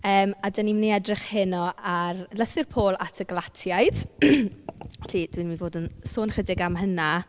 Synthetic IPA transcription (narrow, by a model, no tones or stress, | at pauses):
əːmadənimniɛdrɪχhɪnɔʔarlˠəθɪrpʰoːlˠatʰəɡlˠatʰjaɨjd̥ | ɬid̥winmivoːdənsoːnχədɪɡamɦəna